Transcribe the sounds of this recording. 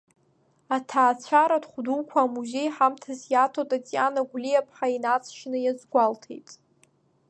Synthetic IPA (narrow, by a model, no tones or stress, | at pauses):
atʰaːt͡ɕʷʰaɾadχʷdukʷʰaːmuze̞jħamtʰazjatʰotʼat͡sʼjanaɡʷlijapʰħainat͡sʼʰʃnɨjazɡʷaltʰḛjtʼ